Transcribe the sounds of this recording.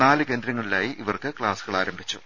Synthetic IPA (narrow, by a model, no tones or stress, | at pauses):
naːlɨke̞ːnd̪ɾɐŋːɐɭilaːjiʔiʋɐrkɨkɭaːsuɣɐɭaːɾɐmbʱit͡ɕːu